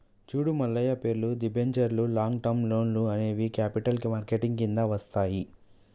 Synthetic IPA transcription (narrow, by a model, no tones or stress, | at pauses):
t͡ʃuːɽumɐlːɐjɐpe̞ːɾlud̪ibeɲt͡ʃɐɾlulaːŋɡʈɐmlo̞ːnluɐne̞ːʋikaːpiʈɐlkimaːɾkeʈiŋɡkind̪aːʋɐst̪aːji